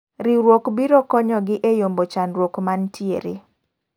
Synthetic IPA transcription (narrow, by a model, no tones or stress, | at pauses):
ɾiɾwokbiɾokɔɲɔɡɪʔejombot͡ʃanɾwokmantʰjḛɾḛ